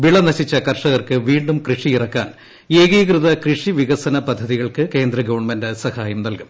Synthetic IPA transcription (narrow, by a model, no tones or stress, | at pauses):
ʋiɭɐnɐɕit͡ɕːɐkɐrʂɐɣɐrkɨʋiːɳɖumkrɨʂiirɐkːa̰ːn | eːɣiːɣrɨðɐkrɨʂiʋiɣɐsɐnɐpɐd̪ʱːɐðiɣɐɭkɨke̞ːnd̪rɐɡɐʋɐɳmɐndɐsɐhaːjɐmnɐlkum